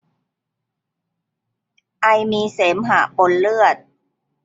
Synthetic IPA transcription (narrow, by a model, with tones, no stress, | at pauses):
ʔa˧jmiː˧seː˩˦mɦaː˨˩po˧nlɯ˥˩ət̪̚